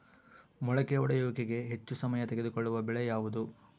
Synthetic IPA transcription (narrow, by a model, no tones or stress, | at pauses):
mɔɭɐkeɔɽɐjɔːɡeɡe̞ɦe̞t͡ʃːusɐmɐjɐt̪eɡed̪ukoɭːuʋɐbɛɭɛjaːʋud̪u